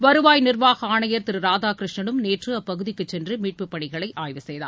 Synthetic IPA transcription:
ʋɐɾɯʋaːjnɪrʋaːɣɐaːɳɐjɐɾt̪ɪɾɯɾaːðaːkɾɯʂɳɐnɯmneːʈrɯɐpːɐɣɯðɪkːɯt͡ʃːɛndrɯmiːʈ̚pɯpːɐɳɪɣɐɭɐɪʔʔaːjʋɯsɛjða̰ː

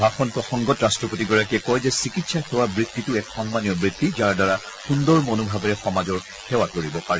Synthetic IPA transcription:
bʱaxɔnpɹɔxɔŋɡɔtɹastɹɔpotiɡɔɹakiɛkɔjzɛsikitsaxɛwabɹid̪ːitʊɛkxɔŋmanijɔbɹit̪ːizaɹdaɹa | xundɔɹmonobʱabɛɹɛxɔmazɔɹ | xɛwakoɹibɔpaɹɛ

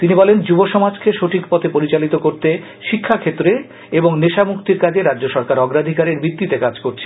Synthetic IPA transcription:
t̪inibɔlend͡ʑuboʃɔmad͡ʑkeʃoʈʰikpɔt̪ʰepoɾit͡ɕalit̪okoɾt̪e | ʃikʰːakʰet̪ːɾe | eboŋneʃamukt̪iɾkad͡ʑeɾadːd͡ʑoʃɔɾkaɾɔɡɾad̪ʱikaɾeɾbɾit̪ːit̪ekad͡ʑkoɾt͡ɕʰe

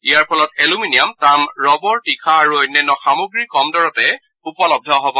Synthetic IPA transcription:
ijaɹpʰɔlɔtɛluminijamtamɹɔbɔɹtikʰaːɹuɔjnːɛnːɔxamoɡɹikɔmdɔɹɔtɛ | upɔlɔb̚dʱɔɦɔbɔ

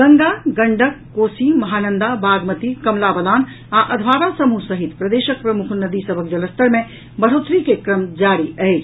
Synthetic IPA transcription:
ɡəŋɡaɡəɳɖəkːoːsimɐɦaːnənd̪abaːɡmət̪ikɐmlabəlaːn | aʔəd̪ʱbaːɾasəmusəɦit̪pɾəd̪eːʃək̚pɾəmukʰnəd̪isəbʱək̚d͡ʒələst̪əɾmẽ | bəɽ̤ot̪ɾikekɾəmd͡ʒaːɾiʔəet͡ʃʰ

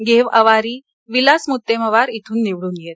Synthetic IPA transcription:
ɡeʋəʋaɾiː | ʋilasmut̪ːeməʋaɾit̪ʰuːnːiʋɽuːnijet̪

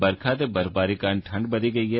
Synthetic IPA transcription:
bɐɾkʰat̪ebɐɾbaːɾikaːnʈʰɐ̃ɳɖbɐd̪iɡɐiɦɛ

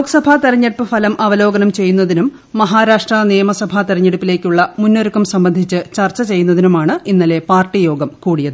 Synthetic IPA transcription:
oːksɐbʱat̪ɐɾɐɲːeɽupːɨfʰɐlɐmʔɐʋɐlo̞ːɡɐnɐmt͡ɕe̞jːunːɐðinumː | ɐɦaːɾaːʂʈrɐnijɐmɐsɐbʱat̪ɐɾɐɲːeɽupːile̞ːkʲːuɭːɐmunːoɾukːɐmsɐmbɐnd̪ʱit͡ɕːɨt͡ɕɐrt͡ɕːɐt͡ɕe̞jːunːɐðinumaːɳɨinːɐle̞paːrʈːijo̞ːɡɐmkuːɽijɐðɨ

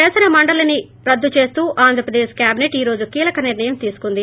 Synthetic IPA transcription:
ɛːsɐnɐmɐɳɖɐlɐni | ɾɐd̪ːut͡ʃe̞ːst̪uːʔaːnd̪ʱɾɐpɾɐd̪eːʃkjaːbineʈiːɾo̞ːd͡ʒukiːlɐkɐniɾɳɐjɐmt̪iːsu̥kund̪i

